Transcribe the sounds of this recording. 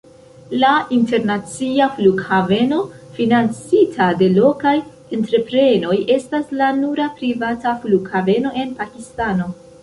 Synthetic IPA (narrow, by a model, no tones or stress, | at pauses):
lainte̞ɾnat͡siafluɡhave̞no̞ | finant͡sitʰade̞lo̞kaj | e̞ntɾe̞pɾe̞no̞jʔe̞staslanuɾapɾivatafluɡhave̞no̞ʔe̞npakistano̞